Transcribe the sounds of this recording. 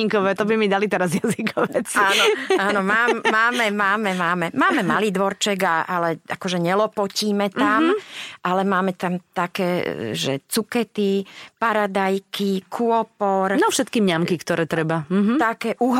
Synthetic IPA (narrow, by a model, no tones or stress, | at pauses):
iŋkɔʋɛːt̪ɔbimid̪alit̪ɛɾazjazikʰɔʋɛt͡saːnɔaːnɔmaːmːaːmɛmaːmɛmaːmɛmaːmɛmaliːd̪ʋɔɾt͡ʃɛɡaʔalɛakɔʒɛɲɛlɔpɔciːmɛt̪amʔalɛmaːmɛt̪amt̪akɛ̰ːʒɛ̰t͡sukɛt̪ipaɾad̪ajkikʰuɔpɔɾnɔfʃɛt̪kiːmɲamkikt̪ɔɾɛːt̪ɾɛbam̩ɦt̪akɛːʔuɦ